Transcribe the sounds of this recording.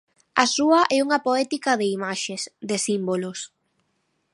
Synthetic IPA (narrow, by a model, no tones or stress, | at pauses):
ɐsuɐʔɛuŋɐpoɛt̪ikɐðɪimaʃesd̪esimbolos